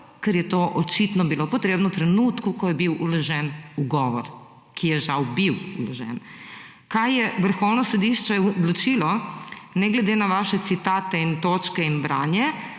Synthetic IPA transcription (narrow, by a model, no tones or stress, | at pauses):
kɛɾjɛt̪oʔɔt͡ʃit̪nɔbilopɔt̪ɾeːbnɔt̪ɾɛnuːt̪kukɔjɛbiwulɔʒɛnuɡɔːʋɔɾ | kʰijɛʒawbiwulɔʒɛ̰n | kajjɛʋəɾxɔwnɔsɔd̪iʃt͡ʃɛd̪lɔt͡ʃilɔnɛɡlɛd̪enaʋaʃɛt̪sit̪aːt̪ɛint̪ot͡ʃkɛinbɾaːnjɛ